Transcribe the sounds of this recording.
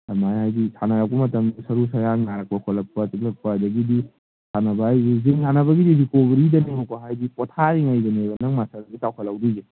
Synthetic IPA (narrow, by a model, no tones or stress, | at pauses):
amajhajɡisʰanɐɾak̚pɐmɐtɐmdisɐɾusɐjaŋaɾɐk̚pɐkʰɔlɐk̚pɐtiklɐk̚paajdɐɡidi | sʰanɐbaːjɡiziŋsʰanɐbɐɡidiɾikobɐɾidɐneŋokɔɦajdipɔtʰaɾiŋajdɐnebɐnɐŋmasadɐɡitawkʰɐlawdiɡi